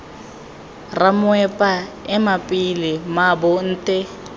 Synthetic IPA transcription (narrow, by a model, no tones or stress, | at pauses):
ramʊɛpʼaɛmapʼilɪmabʊn̩ːtʼɛ